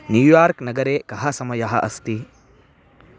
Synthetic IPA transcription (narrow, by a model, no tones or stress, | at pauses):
njuːjaːɾknɐɡɐɾekɐɦɐsɐmɐjɐɦɐʔɐst̪i